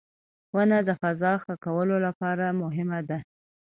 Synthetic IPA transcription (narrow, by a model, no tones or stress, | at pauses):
wənad̪əfazɑxakawəlolapɑɾamʊɦɪmad̪a